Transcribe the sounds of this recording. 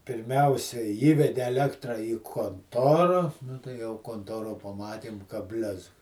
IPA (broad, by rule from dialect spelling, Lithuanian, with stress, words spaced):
pʲɪrʲˈmʲɛʊsʲɛ ˈiːʋʲɛdʲɛ ɛˈlʲæːktrɐ iː koːnˈtoːrɐ nʊ tɐɪ jɛʊ koːnˈtoːroː pɐˈmɑːtʲeːm kɐ ˈbʲlʲɛsk